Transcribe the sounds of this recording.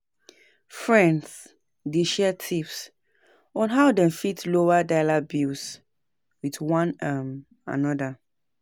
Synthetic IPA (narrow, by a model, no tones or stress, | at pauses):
fɹɛ̃nds | deʃɛtʰips | ɔ̃nɦaʊdɛ̃nfitlowadaɪlabis | wiðwãnam | a̰nɔda